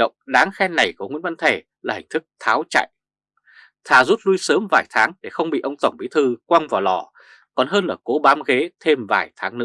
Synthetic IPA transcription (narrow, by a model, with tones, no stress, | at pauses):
ə̰˧˨wŋ͡mɗaː˨˦ŋxɛ˧nna˨˩jku˧˩ŋwi˧˥nva˧nt̪ʰe˧˩ | laː˨˩hŋ̟t̪ʰɨ˦˥k̚t̪ʰaː˨˦wt͡ɕa̰ː˧˨jʔ | t̪ʰaː˨˩zu˦˥t̚lu˧jsəː˨˦mvaː˧˩jt̪ʰaː˨˦ŋɗe˧˩xə˧wŋ͡mɓḭ˧˨ʔə˧wŋ͡mt̪ə˨˩wŋ͡mɓi˨˦t̪ʰɨ˧kwa˧ŋvaː˨˩lɔ˧˩ | kɔ˨˩nɦəː˧nʔəː˧˩ko˨˦ɓaː˨˦mɣe˨˦t̪ʰe˧mvaː˧˩jt̪ʰaː˨˦ŋnɨ̰˧˥